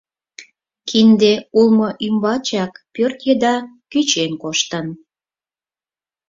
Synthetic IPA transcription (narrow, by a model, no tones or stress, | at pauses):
kʰind̪eulmoʔymbɑt͡ɕɑkpørt̪jed̪ɑkyt͡ɕenkoʃt̪ən